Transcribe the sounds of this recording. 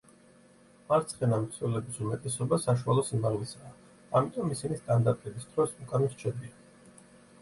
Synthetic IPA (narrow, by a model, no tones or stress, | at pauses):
aɾt̪sʰχɛnamχsʰɛlɛbisumɛt̪ʼɛsɔbasaʃ̬ualˠɔsimaʁlisaː | amit̪ʼɔmisinist̪ʼand̪aɾt̪ʼɛbisd̪̥ɾɔsukʼanɔst͡ʃʰɛd̪ia